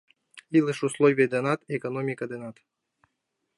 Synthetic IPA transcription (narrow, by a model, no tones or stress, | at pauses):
ilˠɨʃuslˠovʲijəd̪enɑt̪ekonomʲikɐd̪enɑt̪